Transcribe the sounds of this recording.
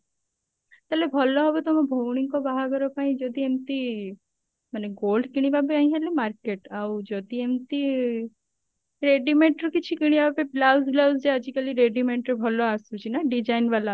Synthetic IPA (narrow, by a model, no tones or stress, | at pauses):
t̪ɛlebʱɔlːɔɦɔbet̪ɔmẽbʱowɽ̃iŋkobaɦakɔɾopaːĩd͡ʒod̪iemt̪i | maneɡoːlɖkiɽ̃ibabeaĩɦelimaɾkeʈawd͡ʒod̪iemt̪i | ɾeɖimẽɳʈɾɔkit͡ʃʰikiɽ̃ibabeblawzlausd͡ʒeəd͡ʒikəliɾeɖimẽɳʈɾebʱɔloasut͡ʃinaɖid͡ʒaːinʋala